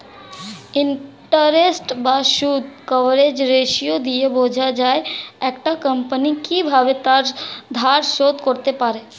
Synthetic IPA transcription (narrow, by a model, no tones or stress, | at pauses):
ɪɳʈəɾesʈbaʃud̪ʱkəʋɾed͡ʒɾeʃijod̪iebʱod͡ʒʱad͡ʒaːeɛːkʈakəmpənikibʱabet̪aɾd̪ʱaɾʃod̪koɾt̪epaɾe